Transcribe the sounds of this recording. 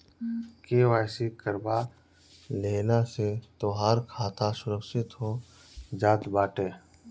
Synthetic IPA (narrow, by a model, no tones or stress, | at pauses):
keːwaːjsikəɾba | leːnaset̪oːɦaːɾkʰaːt̪asʊɾəkʃɪt̪ɦo | d͡ʒaːt̪baːʈeː